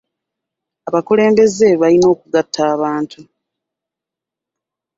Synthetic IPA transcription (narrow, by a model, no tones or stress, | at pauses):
aβakule̞ːmbe̞ze̞βalino̞ːkuɡatʰːaːβaːntʰu